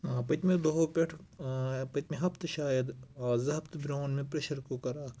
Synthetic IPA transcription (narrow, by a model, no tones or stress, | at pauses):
pɐt̪mẽd̪oɦopʲeʈʰ | pɐt̪mẽɦɐbt̪ɨʃaːjɐd̪zɐɦɐbt̪bɾoːnmẽpɾeʃɐɾkokɐɾaː